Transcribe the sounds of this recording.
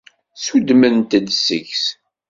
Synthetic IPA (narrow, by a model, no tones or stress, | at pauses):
sud̪mənt̪əd̪sə̰çs